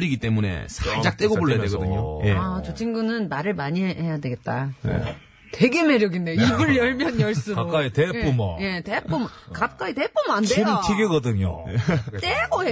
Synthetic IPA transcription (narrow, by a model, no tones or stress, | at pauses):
ɾiɡit͈e̞mune̞̰sʰaɭd͡ʑ͈ak̚t͈eɡooɭajadweɡʌdɯɲojeat͡ɕot͡ɕʰiŋɡunɯnmaɾɯɭmaɲiɦeɦejadwe̞ɡe̞t̚t͈a̰ | te̞ɡe̞me̞ɾjʌɡindeiɡɯɭjʌɭmjʌnjʌɭs͈uɾaok͈aitepumje̞tep͈ʰumkap̚k͈aite̞p͈ʰumandeiɡɯt͡ɕʰiɡeɡʌdɯɲo̰t͈eɡoe